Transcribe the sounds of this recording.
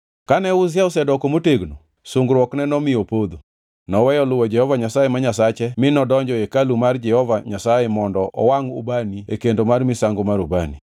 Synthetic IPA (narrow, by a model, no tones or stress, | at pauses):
kanɛʊzjaɔsɛdɔkomoteɡno | sʊŋɡɾwɔknɛnɔmɪjopod̪o | nɔwɛjɔlʊwɔd͡ʒɛhɔvaɲasajemaɲasat͡ʃɛmɪnɔdɔɲd͡ʒɔjekalumard͡ʒɛhɔvaɲasajemɔndɔʔɔ̰waŋṵbaniekendomarmɪsaŋɡomaɾubani